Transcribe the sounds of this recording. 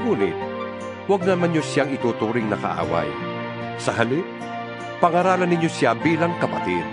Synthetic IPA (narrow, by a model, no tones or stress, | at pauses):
ɡuːnɪ̰t̪̚ | waɡ̚nɐmanjosjaŋɪt̪uːt̪uːɾɪŋnɐkɐ̰ʔa̰ːwa̰j | sɐɦɐlɪ | pɐŋɐɾaːlɐnːɪɲjosjabiːlaŋkɐpɐt̪ḭd̪̥̚